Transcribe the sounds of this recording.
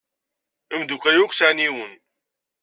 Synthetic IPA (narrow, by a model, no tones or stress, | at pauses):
əmd̪ukʷæjukʷsaʕniwən